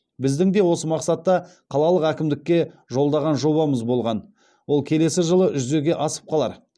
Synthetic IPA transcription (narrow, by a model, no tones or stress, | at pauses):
bɪzd̪ɪŋd̪e̞wo̞səmɑqsɑt̪ːɑ | qʰɑlˠɑlˠəqækʲɪmd̪ɪkʲːe̞ʒo̞lˠd̪ɑʁɑnʒo̞βɑməzbo̞lˠʁɑn | wo̞lˠkʲʰe̞le̞sɪʒəlˠəʒʏze̞ɡʲe̞ʔɑsə̥p̚qʰɑlˠɑ̰ɾ